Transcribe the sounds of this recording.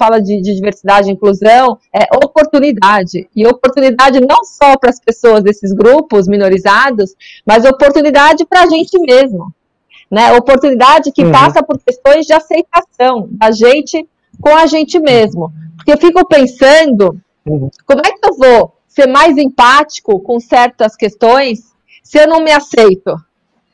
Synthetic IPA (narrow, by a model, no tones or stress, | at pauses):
falɐd͡ʒɪd͡ʒɪd͡ʒiveɾsid̪ad͡ʒɪɪĩkluzɐ̃w̃ɛʔopoɾt̪unid̪ad͡ʒɪɪopoɾt̪unid̪ad͡ʒɪnɐ̃w̃sɔpɾɐspesoɐzd̪esɪzɡɾupʊzmĩnoɾizad̪ʊs | mɐzopoɾt̪unid̪ad͡ʒɪpɾɐʒẽnt͡ʃɪmezmʊ | nɛopoɾt̪unid̪ad͡ʒɪkɪpasɐpoɾkest̪õj̃zd͡ʒɪasejt̪asɐ̃w̃d̪ɐʒẽnt͡ʃɪ | kõɐʒẽnt͡ʃɪmezmʊpoɾkeewfikʊpẽsɐ̃nd̪ʊ | kõmʊɛkɪewvo | seɾmajzẽpat͡ʃi̥kʊkõsɛɾt̪ɐskest̪õj̃sː | ɪewnɐ̃w̃mɪasejt̪ʊ